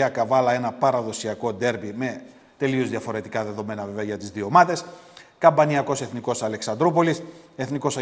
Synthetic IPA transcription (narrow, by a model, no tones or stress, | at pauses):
ɐkɐvɐlɐe̞nɐpɐɾɐðo̞siɐko̞d̪e̞ɾpime̞ | t̪e̞lio̞zðiɐfo̞ɾe̞t̪ikɐðe̞ðo̞me̞nɐveveɐʝɐt̪izðiomɐðe̞skɐmbɐniɐko̞se̞θniko̞sɐle̞ksɐnd̪ɾupo̞liseθniko̞sɐ